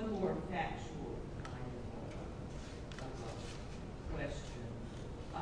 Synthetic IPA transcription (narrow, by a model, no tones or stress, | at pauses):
mɔɹfæk̚t͡ʃul̩ˠʰ | ãɪ̃nɨ̰ | kʰw̥ɛst͡ʃɨ̃n